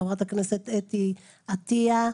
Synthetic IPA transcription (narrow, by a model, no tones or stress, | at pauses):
vʁat̪akneset̪et̪i | at̪ia